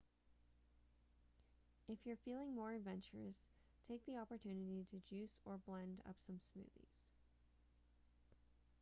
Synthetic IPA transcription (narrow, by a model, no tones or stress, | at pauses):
ɨfjə˞filˠɪ̃ŋmɔɹɨdvɛ̃nt͡ʃə˞ɨ̰s | tʰeɪk̚ðiɑpə˞tʰʉnɨɾiɾɨd͡ʒʉsə˞blɛ̃ndʌ̰psʌ̃msmʉ̰ðḭz̥